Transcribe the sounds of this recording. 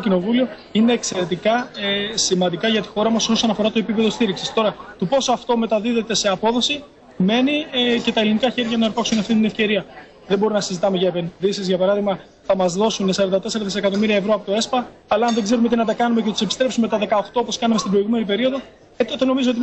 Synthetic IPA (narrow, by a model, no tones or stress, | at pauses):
cino̞vulio̞ | ine̞ːkse̞ɾe̞t̪ikɐsimɐnd̪ikɐʝɐt̪i̥xo̞ɾɐmɐso̞sɐnɐfo̞ɾɐt̪o̞e̞pipe̞ðo̞st̪iɾiksist̪o̞ɾɐt̪opo̞soɐft̪o̞me̞t̪ɐðiðe̞t̪e̞se̞ɐpo̞ðo̞si | me̞nice̞t̪ɐelinikɐçe̞ɾʝɐnɐeɾpɐksunɐft̪int̪inefce̞ɾiɐ | ðebo̞ɾinɐsizit̪ɐme̞ʝɐepe̞nðisizʝɐpɐɾɐðiɣmɐ | θɐmɐzðo̞sunesɐɾɐnd̪ɐt̪e̞se̞ɾɐðise̞kɐt̪o̞miɾiɐevɾo̞ɐpo̞t̪o̞e̞spɐːlɐːnðe̞ɡzeɾumet̪inɐt̪ɐkɐnumeceθɐt̪use̞pi̥st̪ɾe̞psume̞t̪ɐðe̞kɐoxt̪oopo̞skɐnɐme̞st̪ibɾo̞iɣume̞nipe̞ɾio̞ðo̞ | et̪ono̞mizo̞ot̪i